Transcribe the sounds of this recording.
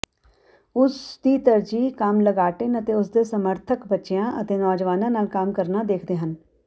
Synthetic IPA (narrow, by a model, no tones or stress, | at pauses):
ʊsd̪iːt̪əɾd͡ʒiːkamləɡaːʈɪnət̪eːʊsd̪eːsəməɾt̪ʰəkbətːʃejãːʔət̪eːnɔːd͡ʒʋaːnãːnaːlkaːmkəɾnaːd̪eːkʰd̪eːɦən